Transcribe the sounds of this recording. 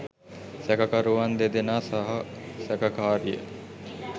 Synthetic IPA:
sɛkəkaɾuʋand̪ed̪enaːsaɦɐsækɐkaːɾijə̰

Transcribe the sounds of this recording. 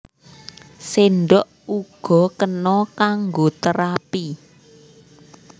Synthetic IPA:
senɖɔʔ | uɡ̥ɔ̤kənɔkaŋɡot̪əɾapi

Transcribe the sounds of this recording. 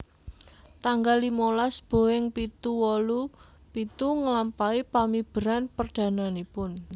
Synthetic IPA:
t̪aŋɡalimolasb̥o̤ɪŋpit̪uwɔlu | pit̪uŋəlampaipamib̥ə̤ɾanpərɖ̥ä̤nanipʊn

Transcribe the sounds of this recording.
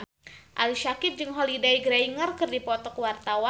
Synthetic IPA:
ʔaliʃakɪp̚d͡ʒɨŋɦolidaiɡɾaiŋərkɨrdipɔt̪ɔkəwart̪awa

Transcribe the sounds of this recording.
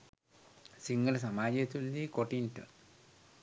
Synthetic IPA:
siŋɡɐlɐs̬ɐmaːd͡ʑɐt̪uldikoʈːinʈːɨ̰

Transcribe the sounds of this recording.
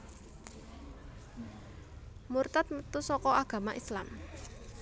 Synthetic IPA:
murt̪at̪̚mət̪usɔkɔʔaɡ̥ä̤maʔislam

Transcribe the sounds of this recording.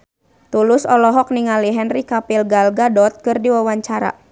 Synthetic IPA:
t̪ulʊsɔlɔɦɔk̚niŋaliɦɛnrikapilɡalɡadɔt̪̚kɨrdiwawaɲt͡ʃaɾa̰

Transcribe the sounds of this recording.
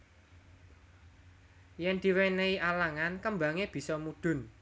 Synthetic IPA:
jɛnd̪̥i̤weneiʔalaŋankəmbaŋeb̥i̤sɔmuɖ̥ʊ̤n

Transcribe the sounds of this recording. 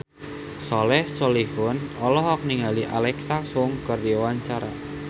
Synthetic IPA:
sɔlɛhsɔlihʊnɔlɔɦɔk̚niŋaliʔa̰lɛksaksʊŋkərdiɔwaɲt͡ʃaɾa̰

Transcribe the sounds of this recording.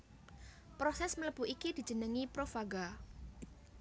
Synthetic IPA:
pɾosɛsmələb̥uikid̪̥i̤̥d͡ʒ̥ə̤nəŋipɾofaɡa

